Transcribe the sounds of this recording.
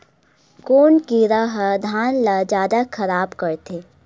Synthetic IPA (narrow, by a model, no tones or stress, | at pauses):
koːnkiɾɐɦd̪ʱaːnlad͡ʒjaːd̪axʰɐɾaːbkɐɾt̪ʰeː